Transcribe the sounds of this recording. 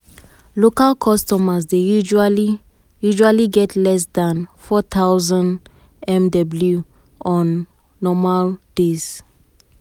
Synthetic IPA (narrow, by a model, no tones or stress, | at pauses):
lokalkʰɔstɔmasdejud͡ʒali | juʒualiɡɛtʰlɛs̬dãnfɔt̪ʰawzãnd | ɛ̃mdɔblju | ɔ̃nː | ɔmald̥es